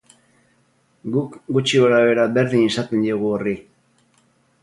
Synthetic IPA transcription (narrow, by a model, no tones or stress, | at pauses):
ɡukɡut͡ʃioɾaβe̞ɾabe̞ɾðinisat̪end̪eɣuori